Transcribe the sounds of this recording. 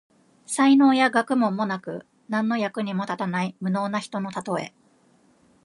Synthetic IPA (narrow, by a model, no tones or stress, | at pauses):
saino̞ːjaɡakɯ̟mõ̞mːo̞nakɯ̟̰ | nãnːo̞jakɯ̟ɲ̟imo̞t̪at̪anaimɯ̟no̞ːnaçi̥t̪o̞no̞t̪at̪o̞e̞̰